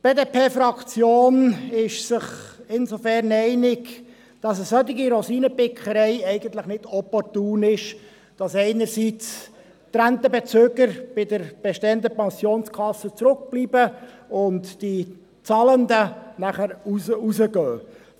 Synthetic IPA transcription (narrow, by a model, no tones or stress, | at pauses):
b̥eːdepʰeːfɾɑkt͡sjoːnɪʃsɪχɪnsofɛɾnɛɪnɪk | d̥ɑs̬əsœt̪ɪɡiɾosiːnəpɪkχəɾɛɪɛɪɡəntləχnɪdɔpɔrtuːnɪʃ | d̥ɑsɛɪnəɾsit͡s | t̪ɾænt̪əbet͡søːɡəɾb̥ɪdəɾb̥ɛʃteːəndəpɛnsjoːnskʰɑsːət͡sɾʊk̚b̥liːbəʊntd̥i | t͡sɑlənd̪ənæχəɾususəɡøː